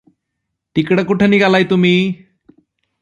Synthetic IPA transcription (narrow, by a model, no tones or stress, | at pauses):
t̪ikɽəkuʈʰəniɡalajt̪umi